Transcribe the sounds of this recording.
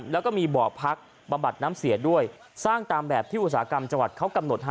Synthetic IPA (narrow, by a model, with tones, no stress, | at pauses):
lɛː˦˥wkɔː˥˩miː˧bɔː˨˩pʰa˦˥k̚ | ba˧mba˨˩t̪̚naː˦˥msi˨˩˦du˥˩əj | saː˥˩ŋt̪aː˧mbɛː˨˩p̚t̪ʰiː˥˩ʔu˨˩saː˩˦˥ka˧mt͡ɕa˧ŋwa˨˩t̪̚kʰa˦˥wka˧mno˨˩t̪̚ɦa˧